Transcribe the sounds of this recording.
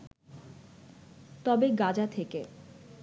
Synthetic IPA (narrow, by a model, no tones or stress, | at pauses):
t̪ɔbeɡad͡ʑat̪ʰeke